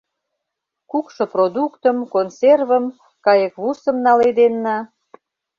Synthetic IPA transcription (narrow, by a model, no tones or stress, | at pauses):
kukʃɤ̆prod̪ukt̪əmkonservəm | kɑjəkβusə̆mnɑled̪enːɑ